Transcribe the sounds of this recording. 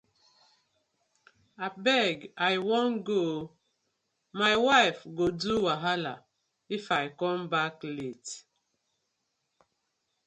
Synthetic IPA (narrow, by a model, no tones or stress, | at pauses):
abɛɡajwɔ̃nɡo | majwaɪfɡoduwaɦala | ifajkɔ̃mbaklet